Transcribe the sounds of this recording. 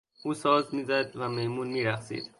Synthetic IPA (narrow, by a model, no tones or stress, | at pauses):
ʔuːsɒːzmiːzæd̪væmejmuːnmiːɾæxsḭd̪̥